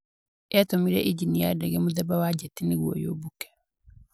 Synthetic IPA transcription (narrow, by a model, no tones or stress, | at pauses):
jatomiɾɛʔiɟinijadɛɡɛmuðɛbawaɟɛtiniɣwɔ̰jo̰bukɛ̥